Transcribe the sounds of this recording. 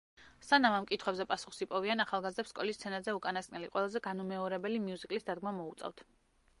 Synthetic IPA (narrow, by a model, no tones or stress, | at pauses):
sanamamkʼit̪ʰχwɛbzɛpʼasuχsipʼɔvianaχalˠɡazd̪ɛpskʼɔlist̪sʰɛnazɛukʼanaskʼnɛliqʼwɛlˠazɛɡanumɛɔɾɛbɛlimiuzikʼlisd̪ad̪̚ɡmamɔut̪sʼɛ̰ft̪ʰ